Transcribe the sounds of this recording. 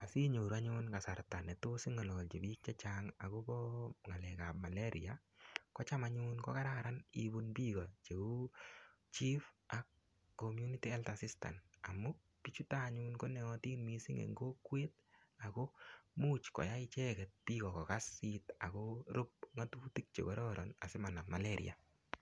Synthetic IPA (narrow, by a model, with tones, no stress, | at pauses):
a˨si˦ɲoɾaɲunkasa˨rta˨nɛ˨tosi˦ŋɔ˨lɔ˨ɔ˨lt͡ʃe˨bi˦k̚t͡ʃa˦t͡ʃaŋa̰˨kobɔŋa˨lɛka˨p̚ma˨leɾḭa | kɔ˦t͡ʃamaɲunkɔ̰˦ka˦ɾaɾanibunpi˦kɔt͡ʃe˨u˦ | t͡ʃi˦fakː | omju˦nitiɛ˦ltasista̰˨namːʊ | pit͡ʃu˦ta˦ɲunko˦nɛ˨ɔti˦nmi˦si˦ŋḛŋɡo˦kwe˦t̚ | akomu˦t͡ʃkɔ̰˨ja˦ɪt͡ʃɛkɛt̚pi˦kɔ˨kɔ˨kasːita˨kɔɾʊ˦p̚ŋa˦tuːti˦k̚t͡ʃḛ˨kɔɾɔɾɔna̰˨sɪ˦ma˨nama˨leɾḭa̰˨